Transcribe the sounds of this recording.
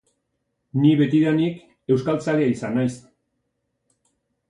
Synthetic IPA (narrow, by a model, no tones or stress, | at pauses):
niβe̞t̪iðanik | e̞wskalt͡saliaisanajs